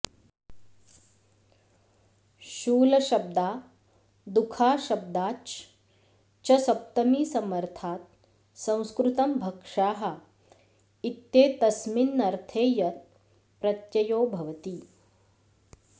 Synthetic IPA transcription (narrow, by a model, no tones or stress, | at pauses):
ʃuːlɐʃɐb̚d̪aː | d̪ukʰaːʃɐb̚d̪aːt͡ʃ | t͡ʃɐsɐp̚t̪ɐmiːsɐmɐɾt̪ʰaːt̪̚ | sɐ̃w̃skɾut̪ɐmbʱɐkʂaːɦɐ̆ | it̪jeːt̪ɐsminːɐɾt̪ʰeːjɐt̪ | pɾɐt̪jɐjoːbʱɐʋɐt̪i